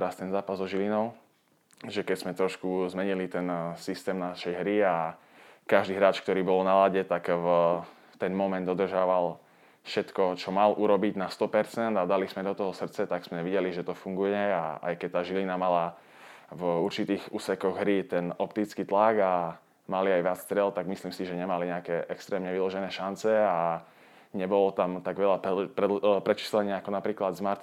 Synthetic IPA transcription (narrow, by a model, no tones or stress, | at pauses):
ɾast̪ɛnzaːpazzɔʒilinɔʊ | ʒɛkɛzmɛt̪ɾɔʃkuzmɛɲilit̪ɛnsist̪ɛːmnaʃɛjɦɾia | kaʒd̪iːɦɾaːt͡ʃk̚t̪ɔɾiːbɔlnalaɟɛt̪ak | ft̪ɛnmɔmɛnd̪ɔd̪r̩ʒaʋal | fʃɛt̪kɔt͡ʃɔmalʔuɾɔbiɟnast̪ɔpɛɾt͡sɛnd̪ad̪alizmɛd̪ɔt̪ɔɦɔsr̩t͡sɛt̪aɡsmɛʋiɟɛliʒɛt̪ɔfuŋɡujɛa̰a̰jkɛc̚t̪aːʒilinamala | vuɾt͡ʃit̪iːɣuːsɛkɔɣɦɾit̪ɛnɔpt̪it͡skit̪laɡa | maliajʋɪat͡sst̪ɾɪɛlt̪aɡmisliːmsiʒɛɲɛmaliɲɛakɛʔɛkst̪ɾɛːmɲɛʋilɔʒɛnɛːʃant͡sɛa | ɲɛbɔlɔt̪amt̪aɡʋɛʎappɾɛpɾɛt͡ʃi̥slɛɲɪaakɔnapɾiːklad̪zmaɾt̪